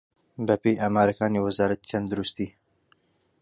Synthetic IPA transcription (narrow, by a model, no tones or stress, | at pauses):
bɛpeːjʔaːmaːɾakaːniːwazɑːɾɐt̪it͡ʃʰɛnd̪ɨɾust̪iː